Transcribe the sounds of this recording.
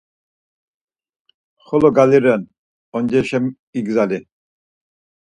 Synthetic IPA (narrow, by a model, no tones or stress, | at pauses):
χɔlɔɡaliɾɛn | ɔnd͡ʒɛʃɛm | iɡzali